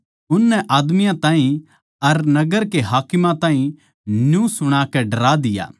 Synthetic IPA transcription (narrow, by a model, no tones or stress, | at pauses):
ʊnːɛʔaːd̪mɪjãt̪ãːɦĩ | ɐɾnɐɡəɾkeɦaːkɪmãt̪ãːɦĩ | njũsʊɽ̃aːkɛɖɐɾaːd̪ɪja̰ː